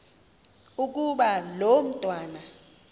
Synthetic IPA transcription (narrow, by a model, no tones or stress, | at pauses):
uk̬uɓalom̩tʼwaːna